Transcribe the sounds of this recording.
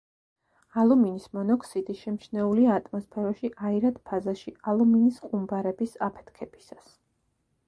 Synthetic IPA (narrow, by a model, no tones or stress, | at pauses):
alˠuminismɔnɔkʼʰsid̪iʃɛmʃnɛuliat̪ʼmɔspʰɛɾaʃiʔaiɾad̪pʰazaʃialˠuminisqʼumbaɾɛbisapʰɛ̥t̪ʰkʰɛb̥i̥sas